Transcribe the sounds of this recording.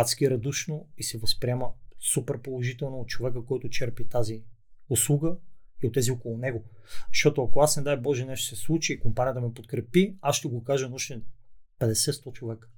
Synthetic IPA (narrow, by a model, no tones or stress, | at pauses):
at̪skiɾɐd̪uʃnoisɛvɐspɾiɛməsupɛɾpolˠoʒit̪ɛlˠnoot̪̚t͡ʃovɛkəkɔjt̪ʊt͡ʃɛɾpit̪azi | oslˠuɡəiot̪ːɛziokolˠonɛɡozʃt̪ɔt̪oɐkoasnɛd̪ajbɔʒɛnɛʃt̪o̥sɛslˠut͡ʃiːkompaniət̪əmɛpot̪kɾɛpiasʃt̪ɛɡokaʒənɐuʃt̪ɛpɛd̪ɛsɛt̪st̪ɔt͡ʃovɛkə̥